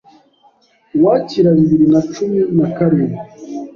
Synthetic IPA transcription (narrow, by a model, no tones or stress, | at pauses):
waciɾaβiβiɾinat͡ʃuminakaɾiɾi